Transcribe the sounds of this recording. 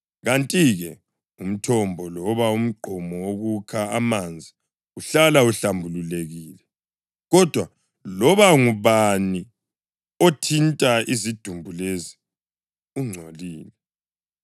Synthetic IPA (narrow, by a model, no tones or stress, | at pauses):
ɣantʼiɣɛ | um̩tʰɔmbʱɔlɔβaum̩ɡ͡ǃʱɔmɔwoɣukʰaamand͡zʱi | uɬalauɬambʱululeɣiːlɛ | ɣɔd̥ʱwa | lɔβaŋuβani | otʰintʼaizid̥ʱumbʱulezi | uŋ͡ǀʱoliːlɛ